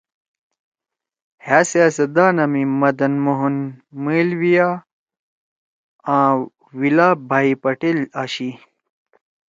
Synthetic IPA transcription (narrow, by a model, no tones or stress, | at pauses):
haːseasɐd̪aːnɐmimɐd̪ɐnmoɦunmeːlwijaː | ãː | wilaːbʱaːipɐʈelaɕi